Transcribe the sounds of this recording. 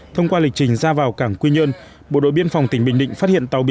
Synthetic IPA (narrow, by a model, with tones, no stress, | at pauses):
t̪ʰə˧wŋ͡mkwaː˧li˨˩k̚t͡ɕï˨˩ŋ̟zaː˧vaː˨˩wkaː˧˩ŋkwi˧ɲə˧n | ɓo̰˧˨ɗo̰˧˨ɓi˧ənfa˨˩wŋ͡mt̪ï˩ŋ̟ɓï˧˨ŋ̟ɗḭ̈˧˨ŋ̟fa˦˥t̚hḭ˧˨ənt̪a˨˩wɓi˨˧˨